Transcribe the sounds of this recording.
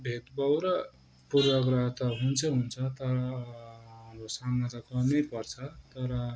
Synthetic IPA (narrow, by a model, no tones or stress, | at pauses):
bʱet̪bʌwɾʌ | purbʌɡrat̪ʌɦunt͡sʰʌɦunt͡sʰʌt̪ʌɾʌ | mrosamad͡zakʌnʌjpʌrt͡sʰʌt̪ʌɾʌ